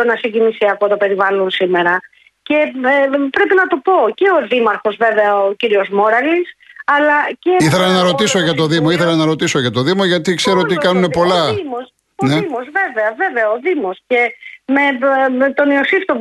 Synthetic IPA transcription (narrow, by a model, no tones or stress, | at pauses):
onɐsiɟinisiɐko̞t̪o̞pe̞ɾivɐlonsime̞ɾɐ | ce̞pɾe̞pinɐt̪opo̞ce̞o̞ðimɐɾxo̞zve̞veɐociɾio̞zmo̞ɾɐlisɐlɐceiθelɐnɐɾo̞t̪iso̞ʝɐt̪o̞ðimo̞iθe̞lɐnɐɾo̞t̪isoʝɐt̪oðimoʝɐt̪ikseɾot̪ikɐnune̞po̞lɐimos | oneimo̞zve̞veɐve̞veɐoðimo̞sce̞me̞t̪o̞niosift̪o